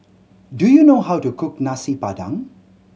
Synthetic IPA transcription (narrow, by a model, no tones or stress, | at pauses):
dujunoɦawtukʰʊknasipadã̰ŋ